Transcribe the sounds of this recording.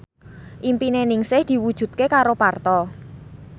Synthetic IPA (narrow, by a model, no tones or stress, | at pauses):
ʔimpinenɪŋsɪhd̪̥i̤wud̥ʒ̥ṳt̪̚kekaɾopart̪ɔ